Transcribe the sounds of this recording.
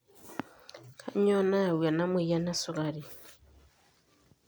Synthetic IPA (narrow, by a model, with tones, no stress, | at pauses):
kʰa˦ɲo˦na˦˨wwja˨na˦mu˦˨ja˦na˦su˨ɡa˨ɾi˨